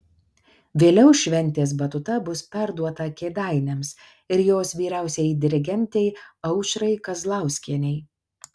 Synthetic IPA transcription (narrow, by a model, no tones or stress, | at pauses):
ʋʲeːlʲɛʊʃʲʋʲɛnʲt̪ʲeːs̬bɐt̪ʊt̪ɐbʊspʲɛɾd̪uɔt̪ɐkʲeːd̪ɑˑɪnʲems | ɪɾjoːsʋʲiːɾʲæˑʊsʲɛɪd̪ʲɪɾʲɪɡʲɛnʲt̪ʲɛɪɐʊʃʲɾɐɪkɐzlˠɑˑʊsʲkʲiɛnʲɛɪ